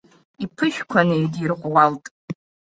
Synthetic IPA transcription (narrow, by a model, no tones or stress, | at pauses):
ipʰɨʃᶣkʷʰanejdirʁʷwaltʼ